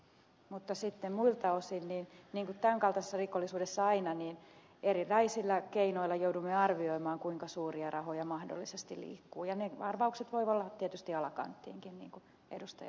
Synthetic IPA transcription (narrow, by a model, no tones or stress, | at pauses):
mut̪ːɑsit̪ːemmuilt̪ɑosinniːnniːŋkut̪t̪æŋkɑlt̪ɑsesːɑrikolːisuːdesːɑɑinɑniːn | erirɑisilːækeinoilːɑjoudumːeɑrʋioimɑːŋkuiŋkɑsuːriɑrɑhojɑmɑhdo̰lːisest̪ilḭːkːuːjɑneɑrʋɑukset̪ʋoiolːɑtt̪ːiet̪yst̪iɑlɑkɑ̰nt̪ːḭːŋkinnḭːŋku | ḛdust̪ɑ̰jɑ